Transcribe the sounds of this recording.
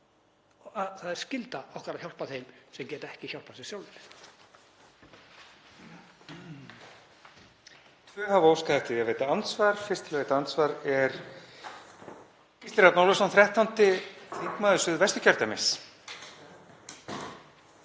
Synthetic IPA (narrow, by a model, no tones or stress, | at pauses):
aðθaðɛɾ̥scɪlt̪aahkɾaçawl̥paθejmsɛmcɛːt̪ɛhcɪçawl̥pasɪsjaːwlɪɾ | t̪ʰvœhavowskaðɛht̪ɪiaðveːjt̪aant̪svaɾ̥fɪr̥st̪ʰɪlvejt̪aant̪svaɾɛɾ̥ | cist̪ɪɾat̪nawlvɪsanθɾjɛht̪ant̪ɪθiŋkmaːðʏsʏðvɛst̪ʏ̥cʰœɾ̥t̪amɪs